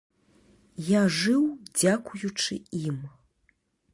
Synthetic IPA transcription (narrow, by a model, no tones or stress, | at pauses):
jaʐɨwd͡zʲakujut͡ʂɨim